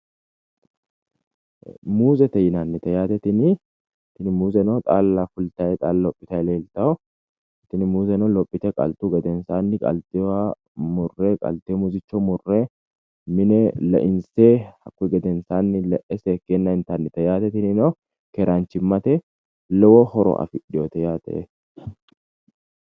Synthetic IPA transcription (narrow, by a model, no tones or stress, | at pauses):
muːzɛt̪ɛjɪnanːɪt̪ɐjaːt̪ɛt̪ɪnɪ | t̪ɪnɪmuːzɛnɐwt̪ʼaːlːafʊlt̪ɐjɛt̪ʼaːlɔpʼːɪt̪ɐjleːlt̪ɐwʊ | t̪ɪnɪmuːzɛnɐwlɔpʼːɪt̪ɛkʼɐ̰lt̪uɡɛd̪ɛnsanːɪkʼɐ̰lt̪ɪwa | mʊrːeːkʼɐ̰lt̪emʊzɪt͡ʃːɔmʊrːeː | mɪnɛlɐ̰ʔɪnseːhɐkːɛɡɐd̪ɛnsaːnːɪlɛʔɛsɛkeːnːɐɪnt̪aːnːɪt̪ɛjaːt̪ɛt̪ɪnɪno | kɛɾaːnt͡ʃɪmːɐt̪ɛ | lɔwɔhɔɾɔ̰ʔɐ̰fɪᶑɪjoːt̪ɛjaːt̪ɛ̰ʔɛ